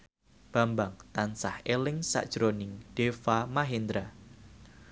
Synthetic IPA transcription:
b̥a̤mbaŋt̪ansahelɪŋsa̰ʔd̥ʒ̥ɾonɪŋɖ̥efamaɦend̪ɾa

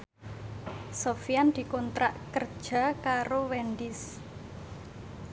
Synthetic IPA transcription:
sofijand̪̥i̤kɔnt̪ɾaʔkərd̥ʒ̥a̤kaɾowɛnd̪ɪs

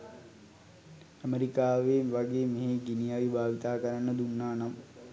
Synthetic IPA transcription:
əmeɾikaːʋeːʋaɡeːmeɦeɡinijaːʋibʱaːʋit̪aːkəɾanːəd̪unːaːnam

